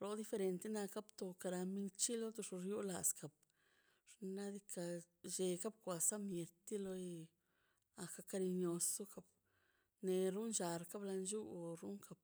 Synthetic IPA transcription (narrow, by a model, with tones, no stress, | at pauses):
ɾo˧d̪i˧fe˧ɾe˧nt̪e˦na˧ka˦bt̪o˧ka˧ɾa˧mi˧ŋt͡ʃi˦lo˦t̪o˧ʂo˧ɾju˦la˨ska˨b̚ | ʂna˦d̪i˧ka˧ | d͡ʒe˧ka˦b̚kʷa˨sa˦mje˨t̪i˦lo˧ | a˧˨ka˧ka˧ɾi˧ɲo˧so˦ka˧b | ne˧ɾu˦nʃa˨ɾka˦bla˧nd͡ʒu˦˧ɾu˦ŋka˨p̚